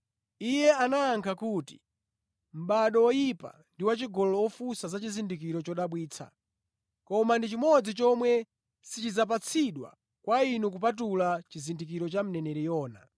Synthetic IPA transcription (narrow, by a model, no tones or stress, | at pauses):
ijɛanaːŋkʰakuːti̥ | m̩ɓaɗɔɔjipa̰ndiwat͡ʃiɡɔlɔːfusazat͡ʃizindik̬iɾɔt͡ʃɔɗaɓwiːt͡sʰa̰ | kɔmandit͡ʃimɔd͡zit͡ʃɔmwɛ | sit͡ʃid͡zap̬at͡sʰiɗwa̰ | kwainuk̬up̬at̬ulat͡ʃizindikiɾɔt͡ʃam̩nɛnɛɾɛjɔːna̰